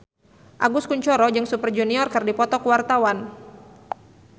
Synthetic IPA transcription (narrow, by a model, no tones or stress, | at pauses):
ʔa̰ɡʊskuɲt͡ʃɔɾɔd͡ʒɨŋsupərd͡ʒuniɔrkɨrdipɔt̪ɔkuwart̪awan